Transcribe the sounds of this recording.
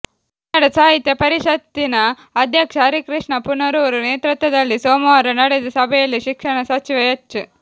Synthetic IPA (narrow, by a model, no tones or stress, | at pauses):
nɐɽɐsaːɦit̪jɐpɐɾiʃɐt̪ːinɐ | ɐd̪ʱjɐkʂɐɾikɾiʂɳɐpunːɐɾuʋɐɾuneːt̪ɾut̪ʋɐd̪ɐlːisoːmɐɾɐnɐɽɛd̪ɐsɐbʱɛjɐlːiʃikʂɐɳɐsɐt͡ʃiʋɐjɐt͡ʃːɐ